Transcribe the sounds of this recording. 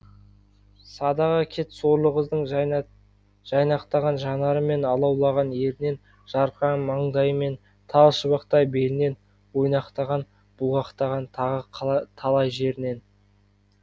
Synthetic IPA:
sɑd̪ɑʁɑkʲʰe̞t̪so̞ɾlˠəʁəzd̪əɴ | ʒ̥ɑjnɑqt̪ɑʁɑnʒɑnɑɾəme̞nɑlˠɑwlˠɑʁɑnje̞ɾɪne̞n | ʒ̥ɑɾqɑmɑɴd̪ɑjəme̞n | t̪ʰɑlˠʃəβɑqt̪ɑjbe̞lɪne̞n | wo̞jnɑqt̪ɑʁɑn | b̥ʊʁɑqt̪ɑʁɑnʁəqʰt̪ʰɑlˠɑjʒe̞ɾɪne̞n

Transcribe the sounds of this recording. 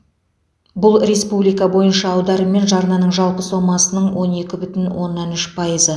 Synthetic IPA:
bʊlˠre̞spublijkɑbo̞jənʃɑːwd̪ɑɾəme̞nʒɑɾnɑnəɴʒɑlˠpəsomɑsənəɴwo̞ne̞kʲɪbʏt̪ɪnwo̞nːɑnʏʃpʰɑjəzə

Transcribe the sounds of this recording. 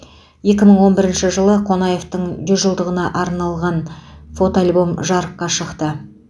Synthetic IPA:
je̞kʲɪməɴwo̞nbɪɾɪnʃɪʒəlˠəqʰo̞nɑje̞ft̪əɴd͡ʒʏzʒəlˠd̪əʁənɑʔɑɾnɑlˠʁɑnfo̞t̪oalʲbo̞mʒɑɾəqːɑʃəqt̪ə

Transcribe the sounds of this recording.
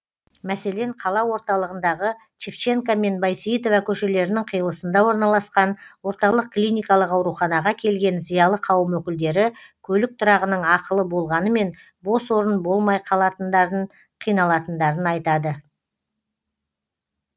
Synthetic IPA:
mæse̞le̞ɴqʰɑlˠɑwo̞ɾt̪ɑlˠəʁənd̪ɑʁə | t͡ʃʰift͡ʃe̞ŋkame̞nbajsit̪ovakʲʰɵʃe̞le̞ɾɪnɪŋqʰəjəlˠəsənd̪ɑwo̞ɾnɑlˠɑsqɑnwo̞ɾt̪ɑlˠəq̚klʲijnʲijkɑlˠəqɑwɾuχɑnɑʁɑkʲʰe̞lɡʲe̞nzijɑlˠəqʰɑwəmwɵkʲɪld̪e̞ɾɪkʲʰɵlɪk̚t̪ʰʊɾɑʁənəɴɑqəlˠəbo̞lˠʁɑnəme̞n | bo̞swo̞ɾənbo̞lˠmɑjqʰɑlˠɑt̪ənd̪ə | qʰijnɑlˠɑt̪ənd̪ɑɾənɑjt̪ɑd̪ə

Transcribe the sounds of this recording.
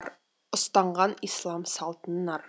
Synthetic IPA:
ɾ | ʊ̆st̪ɑɴɢɑnislˠɑmsɑlˠt̪ənːɑɾ

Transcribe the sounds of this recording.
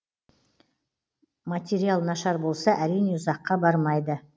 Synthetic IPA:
mat̪ʲeɾijalˠnɑʃɑɾbo̞lˠsɑʔæɾijneʊzɑqːɑbɑɾmɑjd̪ə

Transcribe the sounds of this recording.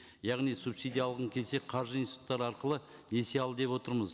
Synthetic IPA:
jɑʁnijsupsijd̪ijɑlˠəʁəɴkʲʰe̞lse̞qʰɑɾʒəinsʲt̪u̥t̪ːɑɾɑɾqəlˠə | neseɑlˠəd̪e̞pwo̞t̪əɾməz

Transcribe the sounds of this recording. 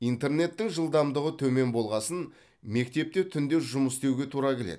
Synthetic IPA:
ijnt̪e̞rne̞t̪ːɪŋʒəlˠd̪ɑmd̪əʁət̪ʰɵme̞nbo̞lˠʁɑsən | me̞kt̪e̞p̚t̪et̪ʰʏnd̪e̞ʒʊməst̪e̞wɡʲe̞t̪ʰuɾɑkʲʰe̞lḛ

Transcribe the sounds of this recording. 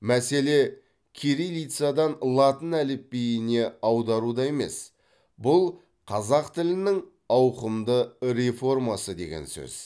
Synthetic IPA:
mæse̞le̞ | kʲʰeɾijlijt̪sɨad̪ɑnlˠɑt̪ənælɪp̚bejɪne̞ɑwd̪ɑɾud̪ɑe̞me̞̰s | bʊlˠ | qʰɑzɑqt̪ɪlɪnɪŋ | ɑwqəmd̪əɾe̞fo̞rmɑsəd̪e̞̰ɡʲe̞̰nsɵ̰z̥

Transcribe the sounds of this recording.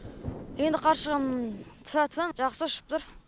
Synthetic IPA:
end̪ɪqʰɑɾʃəʁɑmt̪ʰfæt̪ʰpenʒɑχsəʊʃɪ̥p̚t̪ʰʊɾ

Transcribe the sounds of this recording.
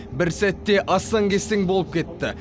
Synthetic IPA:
bɪɾsæt̪ːe̞ʔɑsɑŋkʲʰe̞seŋbolˠəp̚kʲʰe̞t̪ːɪ

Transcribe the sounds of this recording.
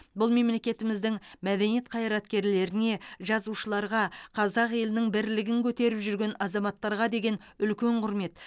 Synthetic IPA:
bʊlˠme̞mle̞kʲe̞t̪ɪmɪzd̪ɪŋmæd̪e̞nije̞t̪̚qʰɑjɾɑt̪kʲe̞ɾle̞ɾɪne̞ʒɑzuʃəlˠɑɾʁɑqʰɑzɑqje̞lɪnɪŋbɪɾlɪɡʲɪŋkʲʰɵt̪e̞ɾɪpʒʏɾɡʲe̞nɑzɑmɑt̪ːɑɾʁɑd̪e̞ɡʲe̞n | ʏlkʲe̞ɴqʰʊɾme̞t̪

